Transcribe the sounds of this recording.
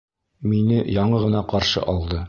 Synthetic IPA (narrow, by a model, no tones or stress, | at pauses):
minɘjɒɴɤʁɤ̆nɑqɒɾʃɤ̰ʔɒlˠd̪ɤ